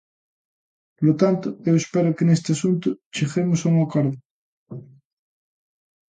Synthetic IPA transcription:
lot̪ant̪oewespeɾokenest̪easunt̪ʊt͡ʃexemosawŋokoɾðo

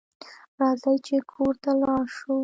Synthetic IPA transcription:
ɾɑzajt͡ʃekʰoɾt̪alɑʃo

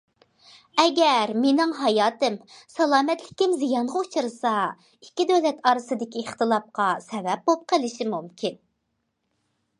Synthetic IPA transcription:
ɛɡʲɛɾmenɪŋɦɑjɑːt̪ɨmsɑlˠɑːmɛt̪lɪkʲɪmzijɑnʁɑut͡ʃʰɨɾɨsɑ | ikʲːid̪øwlɛt̪ɑɾɨsɨd̪ɪkʲiːχt̪ɨlˠɑp̚qɑsɛvɛp̚bolˠp̚qʰəlɪʃimumkʲʰin

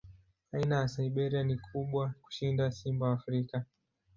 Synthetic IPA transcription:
ainajasaiɓɛɾianikʰuɓwaku̥ʃindasimbaːfɾika

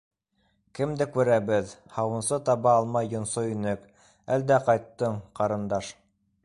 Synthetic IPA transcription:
kɘmd̪ækʉɾæβɘðhɑwɤ̆nsɤt̪ɑβɑːlˠmɑjːŏnsoinɘk | æld̪æqɑjt̪ːɤɴqɑɾɤ̆nd̪ɑʃ

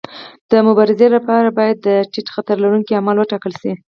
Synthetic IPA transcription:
d̪̥əmʊbɑɾɪzelapɑɾabɑjad̪ːəʈiʈxat̪aɾlaɾuŋkiamalwəʈɑkəlʃi

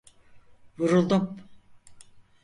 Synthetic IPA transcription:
vuɾulˠd̪um

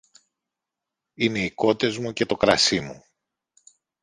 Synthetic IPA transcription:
ine̞iko̞t̪e̞zmuce̞t̪o̞kɾɐsimu

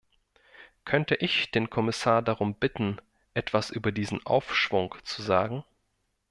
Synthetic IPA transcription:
kʰœntəʔɪçd̥eːnkʰɔmɪsaːɐdaʁʊmbɪtn̩ | ʔɛtv̥asʔyːbɐdiːzn̩ʔa̰ʊfʃv̥ʊŋt͡suzaːɡŋ̩

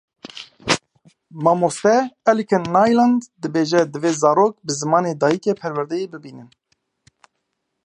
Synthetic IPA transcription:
mɑːmost̪ɛɛlikʰɨnːaːjland̪d̪ɨbeːʒɛd̪ɨveːzɑːɾoːk̚bɨzɨmɑːneːd̪ɑːjikepʰɛɾwɛɾd̪ɛjeːbɨbiːnɨn

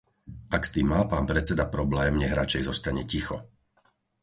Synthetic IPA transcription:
ʔakst̪iːmːaːpaːnpɾɛt͡sɛd̪apɾɔblɛːmɲɛɦɾat͡ʃɛjzɔst̪aɲɛcixɔ

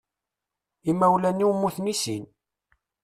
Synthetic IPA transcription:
imːæwlænːiwmːuθmisḭn

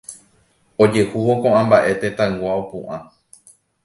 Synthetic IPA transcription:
od͡ʒe̞huʋokõʔãmbaʔe̞t̪ẽt̪ãŋɡʷaopũʔã

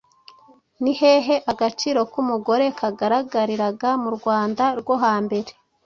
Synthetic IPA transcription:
nihe̞ɦe̞ʔaɡat͡ʃiːɾo̞kumuɡo̞ɾe̞kaɡaɾaɡaɾiɾaɡamuɾɡwaːndaɾɡwo̞ɦaːmbe̞ɾe̥

